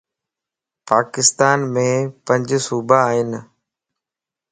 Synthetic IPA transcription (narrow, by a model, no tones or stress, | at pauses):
paːkɪst̪aːnmẽːpə̃ɲd͡ʒsuːbaːɦɪn